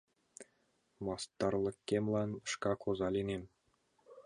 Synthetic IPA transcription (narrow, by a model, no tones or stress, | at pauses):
mɑst̪ɑrlˠɤ̆kʲːemʲlˠɑnʂkɑkʰozɑlʲinʲemʲ